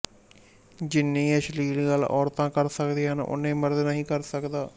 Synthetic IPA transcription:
d͡ʒɪnːĩːəʃliːlːɡəlːɔːɾt̪ãːkəɾsəkd̪eːɦənʊ̰nːẽːməɾd̪nəɦĩːkəɾsəkd̪aː

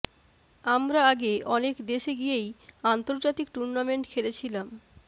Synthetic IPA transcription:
amɾaaɡeʔɔnekd̪eʃeɡijejant̪oɾd͡ʑat̪ik̚ʈuɾnameɳʈkʰelet͡ɕʰilam

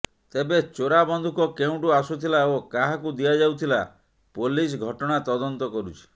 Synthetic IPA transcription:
t̪ebet͡ʃoɾabɔnd̪ʱukɔkeũʈuasut̪ʰilaokaɦakud̪ijad͡ʒawt̪ʰila | polis̬ɡʱɔʈɔɽ̃at̪ɔd̪ɔnt̪ɔkɔɾut͡ʃʰi̥

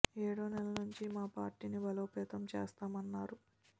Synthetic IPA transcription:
eːɽuːnɛlɐnuɲt͡ʃimaːpaːɾʈiːnibɐlo̞ːpɛːt̪ɐmt͡ʃḛːst̪aːmɐnːaːɾu

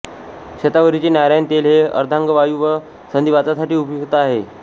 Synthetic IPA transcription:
ɕet̪aʋəɾit͡ɕeːnjajɾajnt̪elɦeə̰ɾd̪ʱãŋɡəʋajuʋə | sənd̪iʋat͡sasaʈiːupjuɡt̪əaɦe

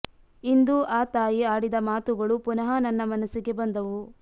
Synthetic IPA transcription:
ind̪uʔaːt̪aːjiaːɽid̪ɐmaːt̪uɡɐɭupunɐɦɐnɐnːɐmɐnɐsiɡe̞bɐnd̪ɐʋu

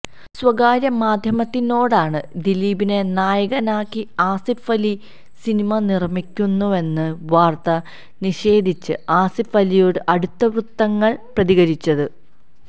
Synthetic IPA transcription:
swɐɡaːɾjɐmaːd̪ʱjɐmɐt̪ːino̞ːɽaːɳɨd̪iliːbine̞naːjɐɣɐnaːkːiaːsifʋɐli | sinimɐnirmikʲːunːue̞nːɨʋaːrt̪ɐ | niɕe̞ːd̪ʱit͡ɕːɨaːsifɐlijoːɽɨʔɐɽut̪ːɐʋrut̪ːɐŋːɐɭprɐðiɣɐɾit͡ɕːɐðɨ

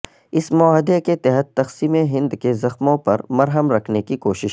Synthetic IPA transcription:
ɪsmɔaːɦd̪eket̪ɐɦət̪ːɐxsiːmeɦɪ̃nd̪kezɐxmõpɐɾmɐɾɦəmɾɐkʰnekikoːʃɪʃ

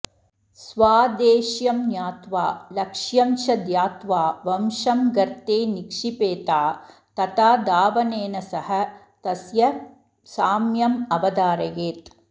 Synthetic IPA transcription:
sʋaːd̪eːʃjɐmnjaːt̪ʋaːlɐkʂjɐmʃɐd̪jaːt̪ʋaːʋɐmʃɐmɡɐɾt̪eːnikʂipeːt̪aː | t̪ɐt̪aːd̪aːʋɐneːnɐsɐhɐ̆ | t̪ɐsjɐ | saːmjɐmɐʋɐd̪aːɾɐɡeːt̪

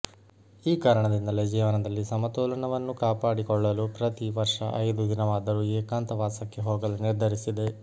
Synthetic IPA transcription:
iːkaːɾɐɳɐd̪ind̪ɐled͡ʒiːʋanɐd̪ɐlːisɐmɐt̪ɔːlɐɳɐʋɐnːukaːpaːɽikɔɭːɐlupɾɐt̪iʋɐɾʂɐ̰ʔɐjd̪ud̪inɐʋaːd̪ɐɾueːkaːnt̪ɐʋaːsɐkːeɦɔːɡɐluniɾd̪ʱɐɾisid̪e̞

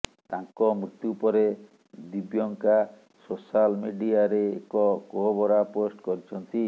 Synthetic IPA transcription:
t̪aŋkɔmɾit̪jupɔɾe | d̪ibjɔŋka | sosalmeɖiaɾeːkɔkoɦobɔɾaposʈkɔɾit͡ʃʰɔnt̪i

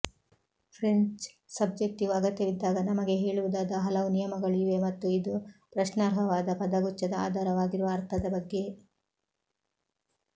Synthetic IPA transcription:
pʰɾeɲt͡ʃ | sɐb̚d͡ʒek̚ʈiɡuɐɡɐt̪jɐʋid̪ːaːɡɐnɐmɐɡe̞ɦeːɭuʋud̪aːd̪ɐɦɐlɐʋunijɐmɐɡɐɭiʋe̞mɐt̪ːuid̪upɾɐʃnaːɾɦɐʋaːd̪ɐpɐd̪ɐɡut͡ʃːɐd̪ɐa̰ːd̪ʱaːɾɐʋaːɡiɾuʋɐːɾt̪ʰɐd̪ɐbɐɡːe̞

